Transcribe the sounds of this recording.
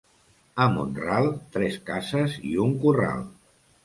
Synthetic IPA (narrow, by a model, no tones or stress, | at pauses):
əmṵnralˠt̪ɾɛskasəzḭuŋkura̰lˠ